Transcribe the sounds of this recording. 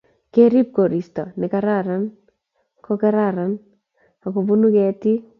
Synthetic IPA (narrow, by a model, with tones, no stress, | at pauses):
ke˦ɾi˦p̚ɡo˨ɾi˨stɔ˨nɪ˨ka˦ɾa˦ɾa˦n | kɔ˦ka˦ɾa˦˨ɾa˨n | a˨ko˨bu˦nu˦kɛ˨ti˦